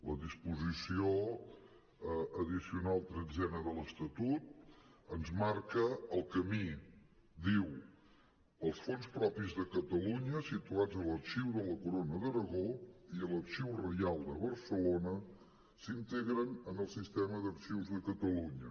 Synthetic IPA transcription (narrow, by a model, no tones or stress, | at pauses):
ləðispuzisio | əðisiunalˠt̪ɾəd͡zɛnəðələst̪ət̪ut̪̚ənzmaɾkəəlˠkəmi | d̪iw | əlˠsfonspɾɔpizðəkət̪əluɲəsit̪uad͡zələkʃiwðələkuɾonəðəɾəɣoiələkʃiwrəjalˠd̪əβəɾsəlonə | sint̪eɣɾənənəlˠsist̪ɛməðəkʃiwzðəkət̪əluɲə